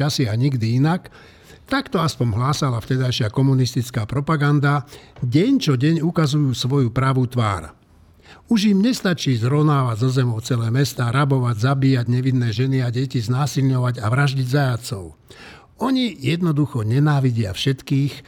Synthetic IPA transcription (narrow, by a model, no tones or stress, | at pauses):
asiaɲiɡd̪iinak | t̪akt̪ɔaspɔmɦlaːsalaft̪ɛd̪ajʃɪakɔmunist̪it͡skaːpɾɔpaɡand̪aɟɛɲt͡ʃɔɟɛɲukazujuːsʋɔjupɾaʋut̪ʋa̰ːɾ | uʒjimɲɛst̪at͡ʃiːzɾɔʋnaːʋaɟzɔzɛmɔʊt͡sɛlɛːmɛst̪aːɾabɔʋaɟzabiːjaɟɲɛʋinːɛːʒɛniaɟɛciznaːsilɲɔʋaɟaʋɾaʒɟiɟzajat͡sɔʊ | ɔɲijɛd̪nɔd̪uxɔɲɛnaːʋiɟɪa̰fʃɛt̪kiːx